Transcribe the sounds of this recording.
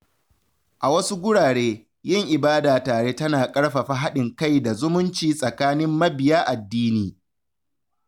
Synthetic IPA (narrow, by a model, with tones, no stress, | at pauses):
ʔa˨wɐ˦su˦ɡʷʊ˦ɽaː˨ɽeː˦ | jɪ˦ŋʔɪ˨baː˦daː˨taː˨ɽeː˦tɐ˦naː˨kʼɐ˦ɽɸa˨ɸa˦ɦa˦ɗɪ˨ŋka˦˨jda˨zʊ˦mʊ˦nt͡ʃiː˨sʼɐ˨kaː˦nɪ˦mːɐ˦bɪ˨jaː˦ʔa˨dːiː˦niː˨